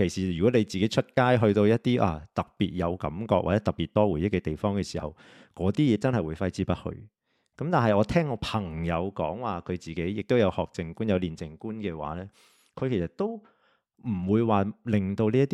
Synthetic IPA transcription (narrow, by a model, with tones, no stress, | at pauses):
kʰe˨˩jsiː˨˩jyː˨˩kɔː˨˥ne˨˧jt͡siː˨ke˨˥jt͡ʃʰɵ˥t̚kaː˥jɦɵ˧ɥt̪o˧wjɐ˥t̚t̪iː˥ʔa̰ː˧t̪ɐ˨˩k̚piː˨t̚jɐ˨˧wkɐ̰˨˥mkɔ̰ː˧k̚wa̰ː˨˩t͡sɛː˨˥t̪ɐ˨˩piː˨t̚t̪ɔː˥wu˨˩jɪ˥kːɛː˧t̪e˨jfɔː˥ŋkɛː˧siː˨˩hɐ̰˨w | kɔː˨˧˥t̪iː˥jɛː˨˥t͡sɐ˥nhɐ˨jwuː˨˧jfɐ˥jt͡siː˥pɐ˥t̚hɵ̰˧ɥ | kɐ˨˥mt̪aː˨nɦɐ˨˩jɔː˨˧t̪ʰɛː˥ŋɔː˧pʰɐ˨˩ŋjɐ˨˧wkɔː˨˥ŋwaː˨kʰɵ˨˧ɥt͡siː˨ke˨˥jːɪ˨k̚t̪o˥wjɐ˨˧whɔː˨k̚t͡sɪ˨ŋkuː˥njɐ˨˧wliː˨nt͡sɪ˨ŋkuː˥nkɛː˧wa̰ː˨˦lɛː˥ | kʰɵ˨˧ɥkʰe˨˩sɐ˨˩t̚t̪o˥w | m̩˨˩wuː˨˧jwaː˨˩lɪ˨ŋt̪o˧wliː˥ɐ˥t̪ː